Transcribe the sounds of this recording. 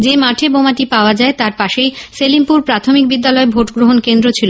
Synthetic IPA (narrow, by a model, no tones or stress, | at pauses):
d͡ʑemaʈʰebomaʈipaoad͡ʑaet̪aɾpaʃejselimpuɾpɾat̪ʰomik̚bid̪ːalɔebʱoʈɡɾoɦonkend̪ɾot͡ɕʰilo